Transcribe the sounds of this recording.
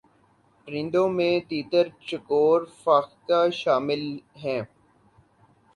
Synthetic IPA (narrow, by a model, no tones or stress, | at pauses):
ʈɾɪ̃nɖ̪õmẽt̪iːt̪əɾt͡ʃəkoːɾfaːxt̪aːʃaːmɪlɦɛ̃ː